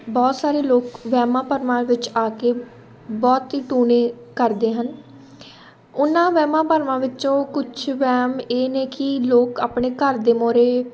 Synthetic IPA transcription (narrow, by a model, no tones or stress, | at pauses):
bɔːt̪saːɾeːloːkʋɛːmãːpəɾʋãːʋɪt͡ʃaːkeː | bɔːt̪ɦiːʈuːnẽː | kəɾd̪eːɦən | ʊnãːʋɛːmãːpəɾʋãːʋɪt͡ʃõːkʊt͡ʃʰʋɛːmeːneːkɪloːkaːpɳeːkəɾd̪eːmoːɾeː